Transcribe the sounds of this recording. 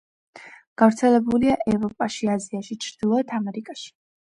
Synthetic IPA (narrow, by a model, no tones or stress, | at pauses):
ɡ̥avɾt̪sʰɛlɛbuliaʔɛvɾɔpʼaʃiaziaʃit͡ʃʰɾd̪̥ilˠɔɛt̪ʰamɛɾikʼaʃi̥